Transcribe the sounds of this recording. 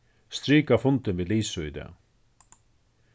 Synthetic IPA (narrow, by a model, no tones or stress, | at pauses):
st̪ɾiːkafʊnt̪ɪnviːliːsʏʏd̪ɛ̰